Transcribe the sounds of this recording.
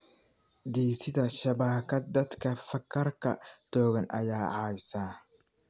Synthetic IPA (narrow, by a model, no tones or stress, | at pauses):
d̪iːsɪðɐʃɐβaːkʰɐd̪ɐd̪kʰɐfɐkʰːɐrkʰɐ̰t̪ɔːɣɐnɐ̰jaːʕɑːβsaː